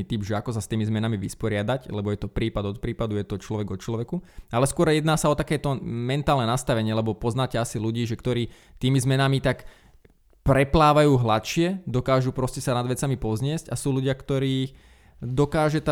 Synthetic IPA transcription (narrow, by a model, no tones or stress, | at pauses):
it̪ibʒɛakɔsast̪iːmizmɛnamiʋispɔɾɪad̪aclɛbɔjɛt̪ɔpɾiːpad̪ɔt̪̚pɾiːpad̪ujɛt̪ɔt͡ʃlɔʋɛɡɔt͡ʃlɔʋɛkualɛskʊɔɾjɛd̪naːsaɔt̪akɛːt̪ɔmɛnt̪aːlnɛnast̪aʋɛɲɪɛlɛbɔpɔznaːcɛasiluɟiːʒɛkt̪ɔɾiː | t̪iːmizmɛnamit̪ak | pɾɛplaːʋajuːɦlat̪ʃɪɛd̪ɔkaːʒupɾɔscɛsanad̪ʋɛt͡samipɔzɲɪɛscasuːluɟɪakt̪ɔɾiː | d̪ɔkaːʒɛt̪a